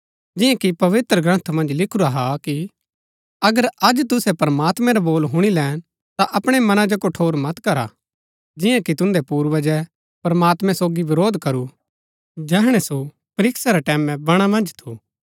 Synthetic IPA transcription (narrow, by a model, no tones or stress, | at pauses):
d͡ʒɪ̃jãkipɐʋɪt̪ɾəɡɾɐ̃nt̪ʰmɐ̃nd͡ʒlɪkʰuɾaɦaki | ɐɡəɾɐd͡ʒt̪ʊsɛpɐɾmaːt̪mɛ̃ɾaboːlɦʊɽ̃ilɛːn | t̪aʔɐpɽ̃ɛmɐnãd͡ʒokoʈʰoːɾmɐt̪kɐɾa̰ | d͡ʒɪjãkit̪ʊ̃nd̪ɛpuːɾʋəd͡ʒɛ | pɐɾmaːt̪mɛ̃soːɡiʋɪɾoːd̪ʱkɐɾu | d͡ʒɛːɦɽ̃ɛso | pɐɾɪksaɾɛʈɛːmɛ̃bɐɽ̃amɐ̃nd͡ʒt̪ʰuː